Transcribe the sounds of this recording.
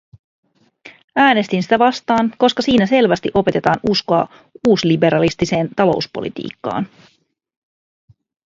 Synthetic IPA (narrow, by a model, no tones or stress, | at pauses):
æːne̞st̪insi̥t̪æʋɑst̪ɑːnko̞skɑsiːnæse̞lʋæst̪iʔo̞pe̞t̪e̞t̪ɑːnusko̞ɑ̰ | uːslibe̞ɾɑlist̪ise̞ːnt̪ɑlo̞̰uspo̞̰lḭt̪ḭːkːɑ̰ːn